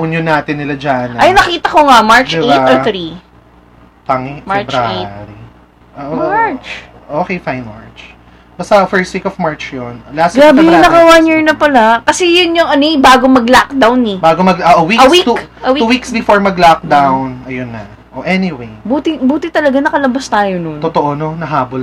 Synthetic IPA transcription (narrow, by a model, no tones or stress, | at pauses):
ʔʊnjonːaːt̪ɪnːɪlad͡ʒanʔɐjnːɐkiːt̪ɐkoŋamaɹt͡ʃd̪ɪbetaoɹt̪ɾi | t̪ɐŋimat͡ʃbɾaeɾi | ʔoʔat͡ʃ | ʔoːkejfajnma̰ɹt͡ʃ | bɐst̪ɐfɛɹst̪̚wikɔvmaɹt͡ʃjonlast̪ɡɾaːbɪjɪnɐkɐwɐnjiɹnɐpɐlakɐsɛjʊnjʊŋɐnobaːɡomɐɡlak̚d̪awnɛbaːɡomɐɡoʔowikɐwit̪ukɐwiuwiksbɪfoɹmɐɡlak̚d̪awnɐjonːɐ | ʔoʔɛniwejbuːt̪ɪbuːt̪ɪt̪ɐlɐɡanɐkɐlɐbast̪aːjononot̪oʔononɐɦaːbol